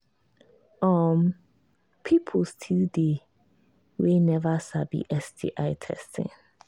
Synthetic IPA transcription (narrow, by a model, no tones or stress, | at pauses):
ɔ̃m | pʰipʰostʰilde | wenɛvasabḭʔɛsdḭʔaɪtʰɛ̰stʰɪ̰̃n